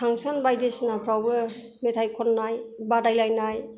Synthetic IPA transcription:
aŋsɔnbajdisnapʰɾawbɯ | metʰajkʰɔnnajbadajlajnaj

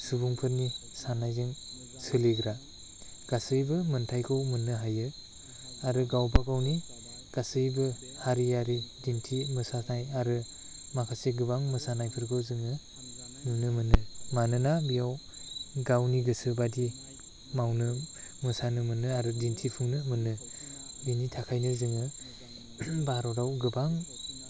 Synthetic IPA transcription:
subuŋpʰɯɾnisanajzɯŋ | sɯleɡɾa | ɡ̥asɯjbɯmɯntʰajkʰowmɯnɯɦajɯ | aɾɯɡawbaɡawni | ɡ̥asɯjbɯ | haɾijaɾidintʰimɯsanajaɾɯ | makʰaseɡɯbaŋmɯsanajpʰɯɾkʰɯzɯŋɯ | nunɯmɯnɯmanɯnabijaw | ɡawniɡɯsɯbadi | mawnɯmɯsanɯmɯnɯaɾɯdintʰipʰɯŋnɯmɯnɯbinitʰakʰajnɯzɯŋɯ | baɾɔɾawɡɯbaŋ

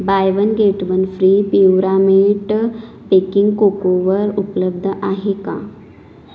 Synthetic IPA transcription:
bajʋənɡeʈʋənfɾipiuɾamiʈ | pekiŋɡkokoʋəɾupləb̚d̪ʱəʔaɦekã̰

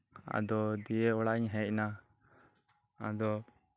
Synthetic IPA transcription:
a̰d̪ɔd̪ijɛɔɽaʔiɲɦɛ̃c̚ˀna | a̰d̪ɔ

